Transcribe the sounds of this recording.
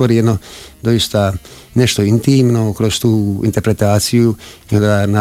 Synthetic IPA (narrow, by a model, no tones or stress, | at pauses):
oɾijed̪nod̪o̞jist̪a | neʃt̪o̞int̪iːmnokɾost̪uːḭnt̪e̞ɾpɾe̞t̪aːt̪sijuiond̪ana